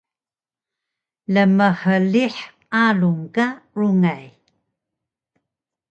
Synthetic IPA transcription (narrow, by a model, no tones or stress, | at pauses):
ləməħəliħ | aluŋkaɾuŋaj